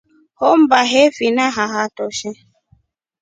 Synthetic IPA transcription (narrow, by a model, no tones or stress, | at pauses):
hɔm̩baɦɛfinaɦaɦatɔʃɛ